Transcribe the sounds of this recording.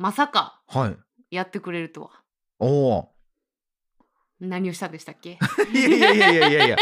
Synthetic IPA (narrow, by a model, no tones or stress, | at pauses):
masaka | haḭ | jat̪ːe̞kɯ̟ɾe̞ɾɯ̟t̪oa | o | naɲ̟io̞ɕi̥t̪ad̪eɕi̥t̪akːe̞jaiaijaijaijaja̰